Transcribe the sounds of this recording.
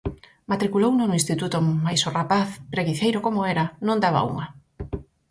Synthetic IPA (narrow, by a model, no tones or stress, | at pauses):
mat̪ɾikulownonʊinst̪it̪ut̪ʊmajsorapaθpɾeɣiθejɾokomoɛɾɐnõnd̪aβa̰ṵŋɐ